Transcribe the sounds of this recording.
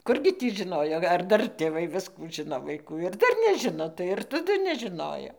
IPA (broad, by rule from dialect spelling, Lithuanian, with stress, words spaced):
ˈkʊrʲɡʲɪ tʲiː ʒɨˈnoːjoː ɐr ˈdɐr tʲeːˈʋɐɪ ˈʋʲɪskuː ˈʒɨnoː ʋɐɪˈkuː ɪr ˈdɐr nʲɛˈʒʲɪnoː tɐɪ ɪr tɐˈdʊ nʲɛʒʲɪˈnoːjoː